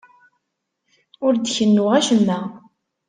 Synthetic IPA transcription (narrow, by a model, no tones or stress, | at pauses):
ʊɾd̪çənːuʁæʃəmːæ